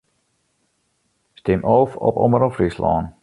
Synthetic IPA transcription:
stɪmʔoːfɔ̰pɔ̰məɾɔfrislɔ̰ːn

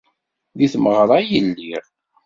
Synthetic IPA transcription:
ðiθməʁɾˤɑjənːiɾ

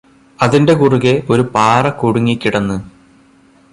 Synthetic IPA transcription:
ɐðinde̞kuruɣeʔo̞ɾupaːrɐkuɽuŋːikʲːiɽɐnːɨ

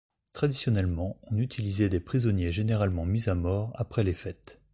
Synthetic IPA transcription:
t̪χad̪isjɔnɛlmɑ̃ɔ̃nyt̪ʰilizɛd̪epχizɔnjeʒeneʁalmɑ̃mizamɔʁa̰pχɛlefɛt̪

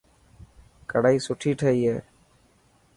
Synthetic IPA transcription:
kəɽaːiːsʊʈʰiːʈʰəːiːɦeː

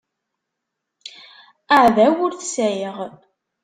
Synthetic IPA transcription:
aʕðæwʊɾθsæjəʁ

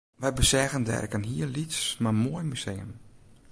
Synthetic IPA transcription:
ʋɛjbəsɛɣəndɛ̰rkənɦiərlitsmamoəjmyseːəm

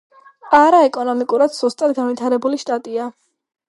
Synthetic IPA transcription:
aɾaɛkʼɔnɔmikʼuɾad̪z̥ust̪ʼad̪̚ɡanvit̪ʰaɾɛbuliʃt̪ʼat̪ʼia

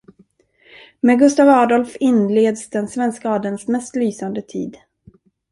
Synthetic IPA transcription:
mɛɡɵst̪avɑːd̪ɔlfɪnːleːd̪sd̪ɛnsvɛnskaɑːd̪ənsmɛst̪lyːsand̪ət̪ʰḭːd̪

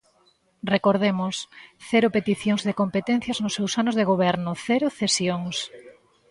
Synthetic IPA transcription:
rekoɾð̞emʊsθɛɾʊpet̪iθjoŋzðekompet̪ɛ̃n̟θjɐznʊsewsanʊzðeɣoβɛɾnʊθɛɾʊθesjoŋs

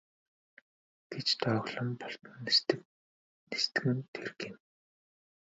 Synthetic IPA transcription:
ɡ̥et͡ɕt̪ʰaɣɮɞ̆mpɔɬt̪ə̆n | nest̪ɘ̆kɘ̆nt̪ʰerɣin

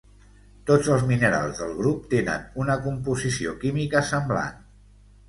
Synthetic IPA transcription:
t̪od͡zəlˠzminəɾa̰lˠzðəlˠɣ̞ɾup̚t̪enə̰nunəkumpuzisiokimikəsəmbla̰n

